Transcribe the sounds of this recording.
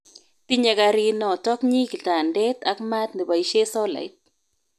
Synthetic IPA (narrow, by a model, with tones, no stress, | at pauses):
ti˦ɲa˧ka˧ɾi˦nɔ˨tɔ˦kɲi˦ki˨ta˨ndɛ˦t̪a˦kma˦t̪̚ni˨ba˨i˦ʃe˦sɔ˦la̰˨jt̚